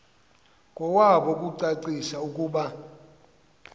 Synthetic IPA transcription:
kʼɔwaɓɔkʼuǀaǀisaukʼuːɓa

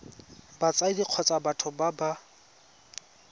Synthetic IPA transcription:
bat͡sʼaidiq͡χʰɔt͡sʼabatʰʊbaba

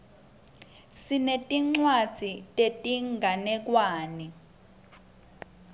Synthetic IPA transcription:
sinetʼiŋ͡ǀwad̥z̥ʱitʼetʼiŋɡʱanɛk̬ʼwaːni

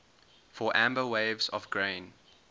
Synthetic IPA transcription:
fɔʔæ̃mbəweɪvzɔ̰vɡɹẽɪ̃n

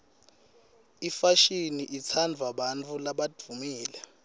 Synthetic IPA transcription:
ifaʃiniʔit͡sʰand͡vʱwaɓant͡fʰulaɓad͡v̥ʱumiːlɛ

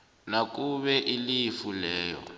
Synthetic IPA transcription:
nak̬uɓɛʔilifulɛːjɔ̰

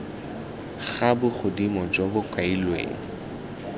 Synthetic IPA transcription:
χabʊχʊdimɔd͡ʒɔbʊkailwḛːŋ̩

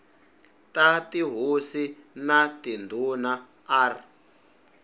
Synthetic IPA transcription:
tatiɦusinatindʱuna | aːr

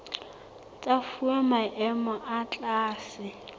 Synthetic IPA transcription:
t͡sʼafuɛmaʔɛmɔʔat͡ɬʼaːsɪ

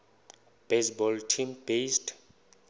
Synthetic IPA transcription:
b̥esbɔltʰĩmbesd

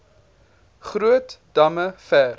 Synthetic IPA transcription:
χɾuətd̥ɐməfæːr

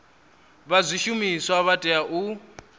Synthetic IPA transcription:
βazʷiʃumiswaβatʼɛaʔu

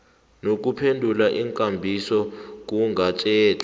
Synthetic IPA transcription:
nok̬ʼupʰendʱulaʔiŋkʼambʱisɔk̬ʼuŋɡʱat͡ʃʼɛːtʼ

